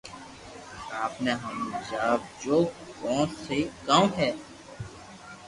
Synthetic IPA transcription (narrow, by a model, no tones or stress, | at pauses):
aːpneːɦəmd͡ʒaːb̚d͡ʒoːkɔ̃ːnsekaːmɦɛː